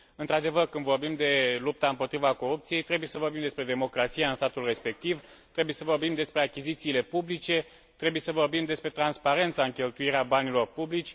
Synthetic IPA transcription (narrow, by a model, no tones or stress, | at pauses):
ɨnt̪ɾad̪e̞vərkɨnd̪vo̞rbimd̪e̞lup̚t̪aɨmpo̞t̪ɾivako̞ɾupt̪sije̞jt̪ɾe̞buje̞səvo̞rbimd̪espɾe̞d̪e̞mo̞kɾat̪sijaɨnst̪at̪ulre̞spe̞k̚t̪iv | t̪ɾe̞buje̞səvo̞rbimd̪e̞spɾe̞akʲizit̪siːle̞publit͡ʃe̞ | t̪ɾe̞buje̞səvo̞rbimd̪e̞spɾe̞t̪ɾanspaɾe̞nt̪saɨŋkʲe̞lt̪uiɾeabanilo̞rpublit͡ʃʲ